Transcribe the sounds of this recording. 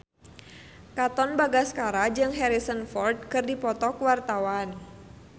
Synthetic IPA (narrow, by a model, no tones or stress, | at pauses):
kat̪ɔnbaɡaskaɾad͡ʒɨŋɦɛɾisənfɔrd̪̚kɨrdipɔt̪ɔkwart̪awan